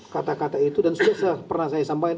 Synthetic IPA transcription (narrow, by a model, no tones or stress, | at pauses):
kat̪akat̪ait̪udansudahsəpərnasajasampaɪ